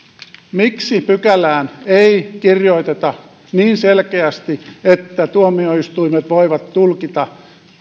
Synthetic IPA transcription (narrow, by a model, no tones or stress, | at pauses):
miksipykælæːneikirjoit̪et̪ɑ | niːnselkeæst̪iet̪ːæt̪uomioist̪uimet̪ʋoiʋɑt̪tulkit̪ɑ